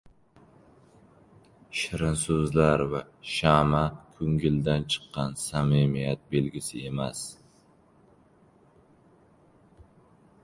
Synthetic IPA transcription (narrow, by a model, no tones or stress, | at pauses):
ʃɪɾɪnsʊzlaɾva | ʃamakʰɵŋɡʲɪld̪ant͡ʃʰɨ̥qːɑnsamimijat̪̚belɡʲɪsɪemas